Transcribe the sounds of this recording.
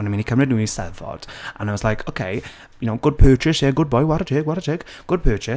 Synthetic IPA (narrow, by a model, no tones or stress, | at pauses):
nəmĩnikʰəmrɨdnuːisɛ̰vɔ̰d̥ʔa̰naɪmɔslajkʰokʰḛj | jʊnowɡ̥ʊd̚pʰɜːt͡ʃʰɪsɪɡʊd̚bɔjwaɾətʰɪːɡwaɾətʰɪɡ̥ɡ̥ʊd̚pʰɜːt͡ʃʰɪ